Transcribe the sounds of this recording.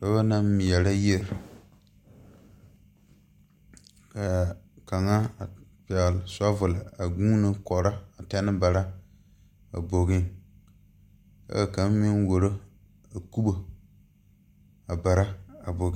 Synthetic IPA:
do˦ba˦na˦m˦m˨jɛ˨la˦je˦˨ɾ | ka˨ | ka˨ŋa˦˨pɛ˨ɣlɪ˨sɔ˦vʊ˨la˨a˨ɡuː˦nɨ˦kɔ˨ɾa˦a˨tɛ˦nɨ˦ba˨ɾa˦ | a̰˨bo˨ɡɪ˦ | ka̰˦a˨ka˨˦m˦mɪ˦nwo˨ɾo˦ | a˨ku˦bo˨ | a˨ba˨ɾa˦a˨bo˨ɡ

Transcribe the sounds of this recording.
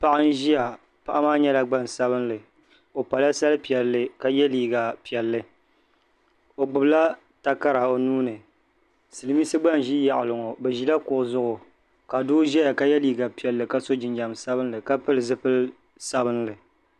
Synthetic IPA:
pa˨ʔɨ˦n˦ʒi˦ja˨ | pa˨ʔa˦maː˦ɲɛ˦la˦ɡ͡ba˦˨n˨sa˦bɨ˦nlɨ˨ | o˨pa˨la˦sa˦lɨ˦pi˨ɛ˨lːɨ˦ka˦jɛ˦liː˨ɡa˨pi˨ɛ˨lːɨ˦ | o˨ɡ͡bʊ˨bla˦ | ta˦ka˦ɾa˨o˨nuː˦nɨ˨ | sɨ˨lɨ˨mi˦sɨ˦ɡ͡ba˦n˨ʒi˦ja˨ʔɪ˨lɨ˨ŋo˨bɛ˨ʒi˦la˦kʊ˨ʔʊ˨zʊ˦ʔʊ˨ | ka˨dʊ˦ʒɛ˦ja˨ka˦jɛ˦liː˨ɡa˨pi˨ɛ˨lːɨ˨ka˦so˦d͡ʒɪ˨nd͡ʒa˨msa˦bɨ˦nlɨ˨ka˦pɨ˦lɨ˨zɨ˦pɨ˦l | sa˦bɨ˦nlɨ˨

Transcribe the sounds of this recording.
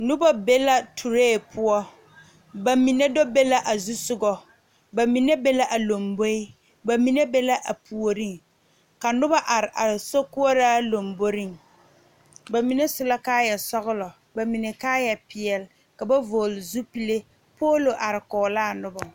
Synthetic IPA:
nʊ˦ba˦be˦la˦tʰu˨ɾeː˦˨pʰʊ˦ɔ˦ | ba˨mi˨ne˦do˦be˦la˦ʔa˨zu˦sʊ˦ɡɔ˦ | ba˨mi˨ne˦be˦la˦ʔa˨lo˨mbo˦ɪ˦ | ba˨mi˨ne˦be˦la˦ʔa˨pu˨o˨ɾi˦ŋ | ka˨nʊ˦ba˦ʔa˨ɾɪ˨ʔa˨so˦ku˦o˦ɾaː˦lo˨mbo˦ɾi˦ŋ | ba˨mi˨ne˦sʊ˨la˦kaː˦jɛ˨sɔ˦ɣʊ˦lɔ˨ | ba˨mi˨ne˨kaː˦jɛ˨pɪ˨ɛ˨l | ka˨ba˦voː˨lɪ˨zu˦pi˦le˦ | poː˦lo˨ʔa˨ɾɪ˨kɔː˨laː˦˨nʊ˦bɔ˨

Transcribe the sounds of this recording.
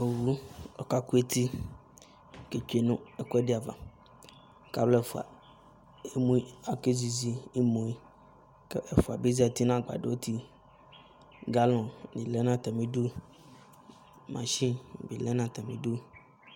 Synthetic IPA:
o˨wu˦ɔ˨ka˦ku˦e˦t̪i˦ | ke˨t͡ʃe˨nũ˦ɛ˨kɔ˦ɖi˦a˨va̰˨ | ka̰˦blɛ˦˨fu˨a̰˨ | e˦mũ˦a˨ke˦zi˨zi˦i˦mõ˨i˦ | kɛ˨fu˨a˨be˦zi˦a˨t̪i˦nã˦ɡ͡ba̰˨ɖe˨wo˦t̪ʰi˦ | ɡa˦lɔ̃˨nĩ˨lɛ˦nã˦t̪a˨mĩ˦ɖu˦ | mã̰˨ʃi˦˨bi˨lɛ˦nã˦t̪a˨mĩ˨ɖu˦

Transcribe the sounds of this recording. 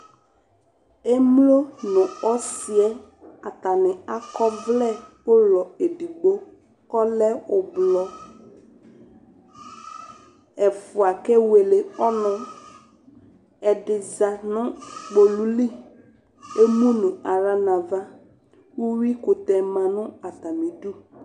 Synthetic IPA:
e˦mlo˦nʊ̃˨ɔ˦sɪ˨ɛ˦ | a˨t̪a˨nɪ̃˨a˦kɔ˦vlɛ˦˨pʊ˦lɔ˨e˨di˨ɡ͡bo˦ | kɔ˦lɛ˦ʊ˨blɔ˨ | ɛ˨fʊ˨a˨kɛ˦we˨le˨ɔ˦nɔ̃˨ | ɛ˨dɪ˨za˨nʊ̃˦k͡po˨lu˦li˦ | e˦mũ˦nʊ̃˨a˨ɾa˦na˨va˦ | wu˦wi˦kʊ˨tɛ˨mã˨nʊ̃˦a˨t̪a˨mĩ˨du˦

